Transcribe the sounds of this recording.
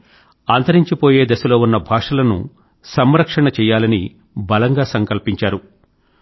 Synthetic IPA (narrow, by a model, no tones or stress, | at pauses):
aːnt̪ɐɾiɲt͡ʃipo̞ːje̞ːd̪ɐsɐlo̞ːunːɐbʱaːʂɐlɐnṵ | sɐmɾɐkʂɐɳɐt͡ʃɛːjːaːlɐni | bɐlɐŋɡaːsɐŋkɐlpiɲt͡ʃaːɾu